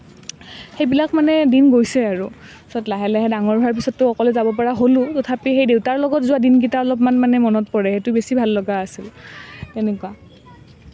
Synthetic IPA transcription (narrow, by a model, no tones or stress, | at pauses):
xejbilakmanɛdinɡojsɛaɹʊ | sɔtlaɦɛlɛɦɛdaŋɔɹbʱaɹp̬isɔtːʊɔkɔlɛzabɔpaɹaɦolʊ̃tɔtʰapixejdewtaɹlɔɡɔtzʊadinɡitaɔlɔpmanmanɛmɔnɔtpɔɹɛxɛtʊbesibʱalːɔɡaːsiltɛnɛkʊwa